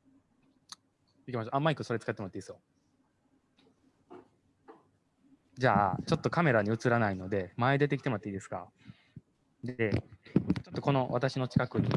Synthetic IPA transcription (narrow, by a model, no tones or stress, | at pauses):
ikʲimaɕ̬oʔamaikɯ̟so̞ɾe̞t͡sɨ̥kat̪ːemoat̪ːiːsɨjo | d͡ʑaːt͡ɕo̞t̪ːo̞kame̞ɾaɲ̟iɯ̟t͡sɨɾanaino̞d̪e̞maed̪e̞t̪e̞kʲi̥t̪emoat̪ːeiːd̪esɨ̥ka̰ | d̪e̞t͡ɕo̞t̪ːoko̞no̞βa̰t̪aɕino̞t͡ɕi̥kakɯ̟